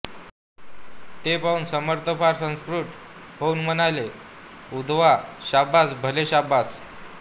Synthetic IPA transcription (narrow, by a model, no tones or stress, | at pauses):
t̪epauːnsəməɾt̪ʰəfaɾsə̃skɾuʈ | ɦounmənale | ud̪ʱʋaɕabasbʱəleɕabas